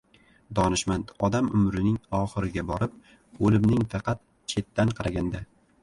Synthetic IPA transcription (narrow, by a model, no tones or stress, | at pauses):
d̪ɒnɪʃmant̪ɒd̪amʊmɾɪnɪŋɒχɨɾɪɡʲabɒɾɪp̚ | olɪmnɪŋfɑqʰɑt̪̚ | t͡ʃʰe̞t̪ːanqʰɑɾaɡʲand̪a